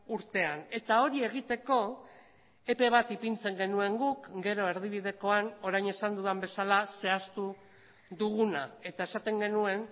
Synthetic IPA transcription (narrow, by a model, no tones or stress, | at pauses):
uɾt̪e̞ane̞t̪ao̞ɾie̞ɣ̞it̪e̞ko̞ | e̞pe̞β̞at̪ipint͡se̞ŋɡe̞nue̞ŋɡukɡe̞ɾoe̞ɾðiβ̞iðe̞ko̞ano̞ɾajɲe̞sand̪uðambe̞salase̞ast̪u | ðuɣ̞unae̞t̪ae̞sat̪e̞ŋɡe̞nue̞n